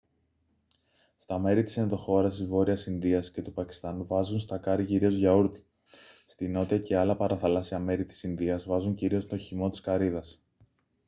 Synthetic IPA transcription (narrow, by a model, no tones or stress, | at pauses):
st̪ɐme̞ɾit̪i̥se̞nðo̞xo̞ɾɐst̪izvo̞ɾiɐsinðiɐsce̞t̪upɐci̥st̪ɐnuvɐzunst̪ɐkɐɾiciɾio̞zʝɐuɾt̪i̥ | st̪ino̞t̪iɐce̞ɐlɐpɐɾɐθɐlɐsiɐme̞ɾit̪i̥sinðiɐzvɐzuɲciɾio̞st̪o̞çimo̞t̪i̥skɐɾiðɐs